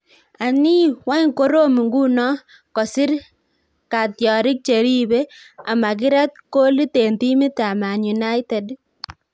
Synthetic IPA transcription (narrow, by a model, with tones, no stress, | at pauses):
a˨ni˦wa˦ŋko˦ɾo˦mi˨ŋɡu˦nɔ˦ | kɔ˨si˦ɾ | ka˨tjɔ˨ɾɪ˦k̚t͡ʃe˨ɾi˦be˦ | a˨ma˨k̬i˦ɾa˦t̚ko˦li˦te˨nti˦mi˦ta˨ma˨ɲu˨na˦jte˨d